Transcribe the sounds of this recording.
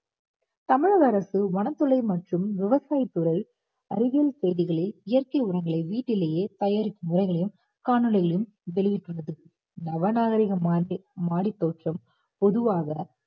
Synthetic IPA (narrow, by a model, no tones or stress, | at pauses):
t̪ɐmɪɻɐðɐɾɐsɯʋɐnɐt̪ːɯlɐɪmɐʈrɯmʋɪʋɐsaːjɪt̪ːɯɾɐl | ɐɾɯɣjɐlsɛjðɪɣɐɭɪlɪjɐrkɐɪɯɽɐŋɡɐɭɐɪʋiːʈːɪleːjeːt̪ɐjaːɾɪk̪ːɯmʊɾɐɪɣɐɭɐjɯm | kaːnɯlɐɣɐɭɐjɯm | ʋɛɭɪʋɪʈːɯɭːɐðɯ | nɐʋɐnaːɣɐɾɪɣɐmamaːɽit̪ːoːʈrɐm | pɔðɯʋaːɣɐ